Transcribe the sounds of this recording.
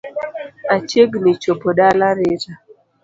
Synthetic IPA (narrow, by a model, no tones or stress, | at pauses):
at͡ʃeɡnit͡ʃopɔɗalaɾeta